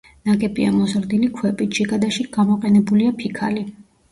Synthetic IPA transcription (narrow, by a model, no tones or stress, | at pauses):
naɡɛbʼia̰mɔzɾd̪ilikʰwɛpʼit̪d͡ʒiɡad̪aʃiɡamɔqʼɛnɛbuliapʰikʰa̰li